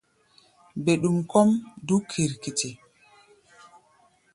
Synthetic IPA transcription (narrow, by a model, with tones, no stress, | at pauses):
be˨ɗu˨mkɔ˦mdu˦kʰi˨ɾki˨ti˨